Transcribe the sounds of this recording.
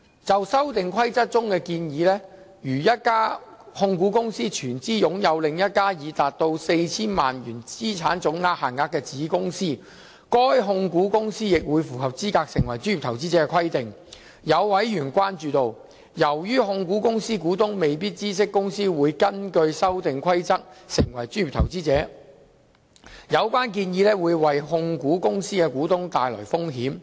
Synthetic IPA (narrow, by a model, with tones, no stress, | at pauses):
t͡sɐ˨wsɐ˥wt̪ɪ˨ŋkʰwɐ˥jt͡sɐ˥t̚t͡sʊ˥ŋkɛː˧kiː˧njiː˨˥lɛː˥ | jyː˨˩jɐ˥t̚kaː˥ | hʊ˧ŋkuː˨˥kʊ˥ŋsiː˥t͡ʃʰyː˨˩nt͡siː˥jʊ˨˥ŋjɐ˨˧wlɪ˨ŋjɐ˥t̚kaː˥jiː˨˧t̪aː˨t̚t̪o˧wse˧jt͡sʰiː˥nmaː˨nɥyː˨˩nt͡siː˥t͡sʰaː˨˥nt͡sʊ˨˥ŋːaː˧k̚haː˨˩nŋaː˨˥kːɛː˧t͡siː˨˥kʊ˥ŋsiː˥ | kɔː˥jɦʊ˧ŋkuː˨˥kʊ˥ŋsiː˥jɪ˨k̚wuː˨˧jfuː˨˩hɐ˨p̚t͡siː˥kaː˧k̚sɪ˨˩ŋwɐ˨˩jt͡ʃyː˥ji˨˩t̪ʰɐ˨˩wt͡siː˥t͡sɛː˧˥kɛ˧kʰɐ˥jt̪ɪ˨ŋ | jɐ˨˧wwɐ˨˥jjyː˨˩nkʷaː˥nt͡ʃyː˨˧t̪o˨w | jɐ˨˩wjyː˥ɦʊ˧ŋkuː˨˥kʊ˥ŋsiː˥kuː˨˥t̪ʊ˥ŋme˨jp̬iː˥t̚t͡siː˥s̬ɪ˥kːʊ˥ŋsiː˥wuː˨˧jkɐ˥nkɵ˧ɥsɐ˥wt̪ɪ˨ŋkʷʰwɐ˥jt͡sɐ˥k̚sɪ˨˩ŋwɐ˨˩jt͡ʃyː˥njy˨˩t̪ʰɐ˨˩wt͡siː˥t͡sɛː˨˥ | jɐ˨˧wkʷwaː˥nk̬iː˧njiː˨˧lɛː˥wuː˨˧jwɐ˨jɦʊ˧ŋkuː˨˥kʊ˥ŋsiː˥kɛ˧kuː˨˥t̪ʊ˥ŋt̪aː˨jlɔ̰ː˨˩jfʊ˥ŋɦiː˨˥m